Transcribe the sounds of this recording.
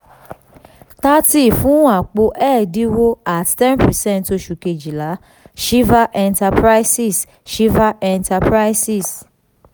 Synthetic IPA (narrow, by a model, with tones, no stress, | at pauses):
ta˦ti˦˨fũ˨˦a˨k͡po˧ʔɛ˦˨di˦wo˦a˨ttɛ˦npɛ˨sɛ̃˦˨nto˧ʃu˨ke˨d͡ʒi˨la˨˦ | ʃi˦va˦ʔɛ˧nta˧pɾa˦jsi˦˨s | ʃi˦va˦ʔɛ̃˧nta˧pɾa˦jsi˨s